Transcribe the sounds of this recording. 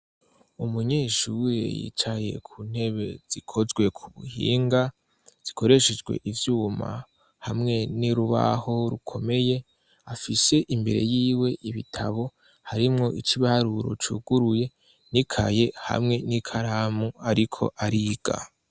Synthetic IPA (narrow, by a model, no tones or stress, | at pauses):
umuɲeːʃuwjḛjḭːt͡ʃaje̞̰kʰuːn̥he̞βe̞z̥ikʰo̞zɡwe̞kʰuβuhḭːŋɡa | z̥i̥kʰo̞ɾe̞ʃed͡ʒɡwe̞̰ʔivjuːma̰ | hamŋe̞niɾuβa̰ho̞ɾukʰo̞me̞je̞ | afise̞ʔimbe̞̰ɾe̞̰jiːwe̞ʔiβitʰaβo̞ | haɾimŋo̞ʔit͡ʃiβaɾuɾo̞̰t͡ʃuɡuɾuje̞ | nikʰa̰je̞ha̰mŋe̞nikʰaɾamuaɾikʰo̞̰ʔaɾiɡ̥a̰